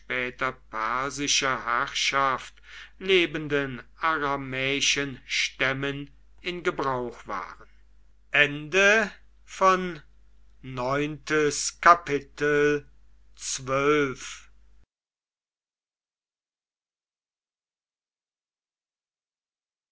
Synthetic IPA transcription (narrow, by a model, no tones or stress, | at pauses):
ʃpɛːtɐpʰɛɐzɪʃɐhæʁʃaftleːbəndənaʁamɛːɪʃənʃtɛmən | ɪnɡəbʁaʊxv̥a̰ːʁən | ʔɛndə | fɔnː | ɔʏntəskapɪtəl | t͡svœlf